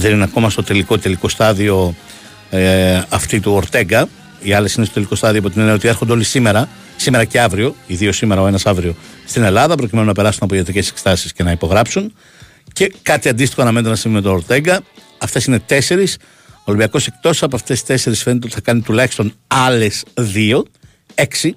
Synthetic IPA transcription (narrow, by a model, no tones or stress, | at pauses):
ðe̞nineɐko̞mɐst̪o̞t̪e̞likot̪e̞liko̞st̪ɐðio̞ | ɐft̪it̪uoɾt̪e̞ŋɡɐ | iɐle̞sinestot̪eliko̞st̪ɐðiopot̪ineneot̪iexo̞nd̪eo̞lisime̞ɾɐ | sime̞ɾɐce̞ɐvɾio̞iðio̞sime̞ɾɐo̞e̞nɐsɐvɾio̞st̪ine̞lɐðɐpɾo̞cime̞nunɐpe̞ɾɐsunɐpoiʝet̪ɾice̞se̞kst̪ɐsi̥sce̞nɐipo̞ɣɾɐpsun | ce̞kɐt̪iɐnd̪ist̪ixonɐme̞nt̪e̞nɐsivimet̪oɾt̪e̞ŋɡɐː | ft̪e̞sine̞t̪e̞se̞ɾis | olimbiɐko̞se̞k̚t̪o̞ssɐpoɐft̪e̞si̥t̪e̞se̞ɾisfe̞net̪eot̪iθɐkɐnit̪ulɐçist̪o̞nɐle̞sðio̞ | e̞ksi